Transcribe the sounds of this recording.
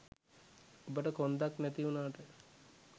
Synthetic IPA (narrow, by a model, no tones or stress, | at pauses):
obəʈəkond̪aknæt̪iunaːʈə